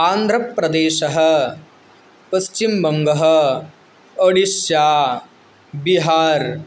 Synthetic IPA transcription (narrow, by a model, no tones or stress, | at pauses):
aːnd̪ʱɾɐpɾɐd̪eːʃɐɦɐ̆ | pɐst͡ʃimbɐŋɡɐɦɐ̆ | ɐɽiʃjaː | biɦaːɾ